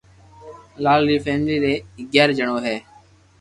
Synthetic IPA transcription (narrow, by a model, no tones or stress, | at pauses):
laːlːiːfeːmliːɾeːɡɛːɾd͡ʒəɳoːɦeː